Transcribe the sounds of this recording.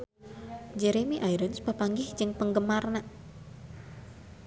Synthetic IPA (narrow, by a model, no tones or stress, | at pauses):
d͡ʒeɾemiʔajɾənspapaŋɡɪhd͡ʒɨŋpəŋɡəmarnaʔ